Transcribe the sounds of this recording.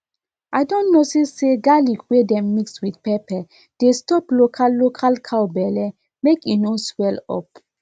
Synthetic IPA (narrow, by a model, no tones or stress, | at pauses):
ajdɔ̃nnːosiseɡalikwedɛ̃mːikswidpɛpɛ | d̥estɔplokʰallokʰalkʰawbɛlɛ | mekinoswɛlɔ̰p̚